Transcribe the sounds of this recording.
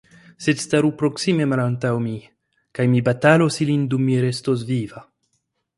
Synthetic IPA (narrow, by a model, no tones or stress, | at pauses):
se̞dstaɾupɾo̞ksime̞malantawmi | kajmibatalo̞silindumːiɾestos̬viva